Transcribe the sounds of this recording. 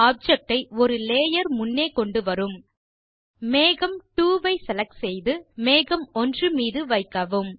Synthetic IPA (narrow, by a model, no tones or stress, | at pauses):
aːp̚d͡ʒɐk̚ʈɐɪɔɾɯleːjɐɾmʊnːeːkɔɳɖɯʋɐɾɯm | meːɣɐmʈuːʋɐɪsɛlɐk̚sɛjðɯmeːɣɐmɔndrɯmiːðɯʋɐɪkːɐʋɯm